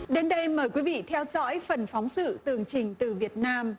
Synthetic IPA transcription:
ɗe˧nɗə˧jməː˨˩jkwi˨˦vḭ˧˨t̪ʰɛ˧wzɔ̰˧˥jfə˨˩nfɔ˨˦wŋ͡msɨ̰˧˨t̪ɨ˨˩əŋt͡ɕï˨˩ŋ̟t̪ɨ˨˩vi˨˩ət̚naː˧m

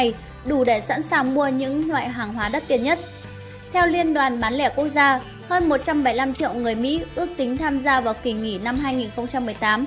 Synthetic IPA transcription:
j | ɗu˧˩ɗe˧˩sa̰˧˥nsaː˨˩ŋmu˧əɲɨ̰˧˥ŋlwa̰ː˧˨jɦaː˨˩ŋɦwaː˨˦ɗə˦˥t̚t̪i˧˩ənɲə˦˥t̚ | t̪ʰɛ˧wli˧ənɗwaː˨˩nɓaː˨˦nlɛ̰˧˩ku˦˥ək̚zaː˧ | həː˧nmo˨˩t̚t͡ɕa˧mɓə˧˩jla˧mt͡ɕḭ˧˨əwŋɨ˨˩əjmḭ˧˥ʔɨ˦˥ək̚t̪ï˨˦ŋ̟t̪ʰaː˧mzaː˧vaː˨˩wki˨˩ŋi˧˩na˧mɦaː˧jŋi˨˩nxə˧wŋ͡mt͡ɕa˧mːɨ˨˩əjt̪aː˨˦m

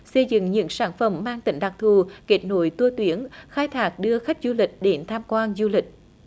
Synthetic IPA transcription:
sə˧jzɨ̰˧˨ŋɲɨ̰˧˥ŋsaː˧˩nfə˧˩mːaː˧ŋt̪ï˧˩ŋ̟ɗa˨˩k̚t̪ʰu˨˩ke˦˥t̚no˧˨˦jt̪u˧ət̪wi˨˦əŋxaː˧jt̪ʰaː˦˥k̚ɗɨ˧əxa˦˥jk̟̚zu˧lï˨˩k̟̚ɗe˨˦nt̪ʰaː˧mkwaː˧nzu˧lï˨˩k̟̚

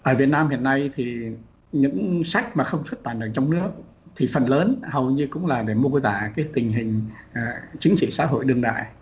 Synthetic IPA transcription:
ʔəː˧˩vi˨˩ət̚naː˧mhḭ˧˨ənːa˧jt̪ʰi˨˩ | ɲɨ̰˧˥ŋsa˦˥jk̟̚maː˨˩xə˧wŋ͡mswt̚ɓaː˧˨˩nɗə˨˧˩t͡ɕɔ˧wŋ͡mnɨ˦˥ək̚ | t̪ʰi˨˩fə˨˩nləː˨˦nhə˨˩wɲɨ˧kʊ̰˧˥ŋ͡mlaː˨˩ɗe˧˩mu˧t̪aː˧˩kaː˨˦jt̪ï˨˩ŋ̟ɦï˨˩ŋ̟˨˩ | t͡ɕï˨˦ŋ̟t͡ɕḭ˧˨sa̰ː˧˥ɦo̰˧˨jɗɨ˧əŋɗa̰ː˧˨j

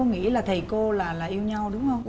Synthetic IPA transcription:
o˧ŋḭ˧˥laː˨˩t̪ʰə˨˩ko˧laː˨˩laː˨˩ʔi˧əwɲa˧wɗʊ˨˦ŋ͡mhə˧

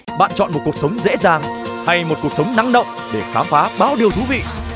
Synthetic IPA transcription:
ɓa̰ː˧˨nt͡ɕɔ̰˧˨nmo˨˩t̚ku˨˩əksə˨˦wŋ͡mzḛ˧˥zaː˨˩ŋ | ha˧jmo˨˩ku˨˩ək̚sə˨˦wŋ͡mna˨˦ŋɗə̰˧˨wŋ͡m | ɗe˧˩xaː˨˦mfaː˨˦ɓaː˨˦wɗi˨˩əwt̪ʰu˨˦vḭ˧˨

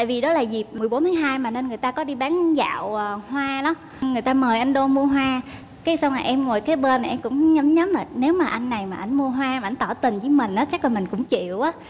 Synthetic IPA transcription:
ta̰ː˧˨jvi˨˩ɗɔ˨˦laː˨˩zi˨˩p̚mɨ˨˩jɓo˨˦nt̪ʰːŋɦaː˧jmaː˨˩ne˧nŋɨ˨˩əjt̪aː˧kɔ˨˦ɗi˧ɓaː˨˦nza̰ː˧˨wə˨˩hwaː˧la˨˦m | ŋɨ˨˩əjt̪aː˧məː˨˩jʔa˧jŋɗo˧mu˧əɦwaː˧ | kaː˨˦jsa˧wŋ͡mlaː˨˩ʔɛ˧mŋo˨˩jkaː˨˦jɓəː˧n˨ʔɛ˧mkʊ̰˧˥ŋ͡mɲə˨˦mɲə˨˦mlaː˨˩ne˨˦wmaː˨˩ʔa˧jŋnːa˨˩jmaː˨˩ʔa˧jŋ̟mu˧əɦwaː˧m˨˩a˧˩jt̪ɔ˧˩t̪ï˨˩nzɨː˨˦mï˨˩ŋ̟ʔaː˨˦t͡ɕa˦˥k̚la˨˩mï˨˩ŋ̟kʊ̰˧˥ŋ͡mt͡ɕḭ˧˨əwʔaː˨˦

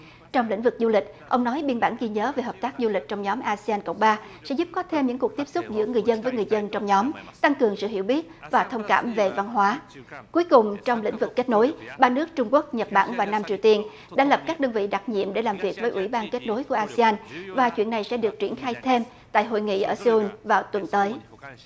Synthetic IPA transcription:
t͡ɕɔ˧wŋ͡mlḭ˧˥ŋ̟vɨ˨˩k̚zu˧lï˨˩k̟̚ʔə˧wŋ͡mnɔ˨˦jɓi˧ənɓaː˧˩nɣi˧ɲəː˨˦ve˨˩ɦəː˨˩p̚t̪aː˦˥k̚zu˧lï˨˩k̟̚t͡ɕɔ˧wŋ͡mɲɔ˨˦mʔaː˧si˧aː˧nkə̰˧˨wŋ͡mɓaː˧sɛ̰˧˥zu˦˥p̚kɔ˨˦t̪ʰe˧mɲɨ̰˧˥ku˨˩ək̚t̪i˦˥əsʊ˦˥t̚zɨ̰˧˥əŋɨ˨˩əjzə˧nvəː˨˦jŋɨ˨˩əjzə˧nt͡ɕɔ˧wŋ͡mɲɔ˨˦mt̪a˧ŋkɨ˨˩əŋsɨ̰˧˨hi˧˩əwɓi˦˥ət̚vaː˨˩t̪ʰə˧wŋ͡mka̰ː˧˩mve˨˩va˧nɦwaː˨˦ku˨˦jkʊ˨˩ŋ͡mt͡ɕɔ˧wŋ͡mlḭ̈˧˥ŋvɨ˨˩kːe˦˥t̚no˨˦jɓaː˧nɨ˦˥ək̚t͡ɕʊ˧ŋ͡mku˦˥ək̚ɲə˨˩t̚ɓa̰ː˧˩nvaː˨˩wna˧mt͡ɕi˨˩əwt̪i˧ən | ɗa̰ː˧˥jlə˨˩p̚kaː˦˥k̚ɗəː˧nvḭ˧˨ɗa˨˩t̚ɲḭ˧˨əmɗe˧˩laː˨˩mvi˨˩ək̚vəː˨˦jʔwḭ˧˩ɓaː˧nke˦˥t̚no˨˦jku˧˩əʔaː˧si˧aː˧nvaː˨˩t͡ɕwḭ˧˨nːa˨˩jsɛ̰˧˥ɗɨ˨˩ək̚t͡ɕi˧˩ənxaː˧jt̪ʰe˧m | t̪a̰ː˧˨jɦo̰˧˨jŋḭ˧˨ʔəː˧˩sə˧u˧nvaː˨˩wt̪wə˨˩nt̪əː˨˦j

